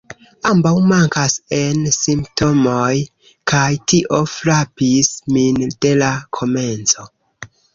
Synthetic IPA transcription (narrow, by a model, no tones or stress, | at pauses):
ambawmaŋkase̞nsimpto̞moj | kajtiʔo̞flapismind̥e̞lakʰo̞me̞nt͡so̞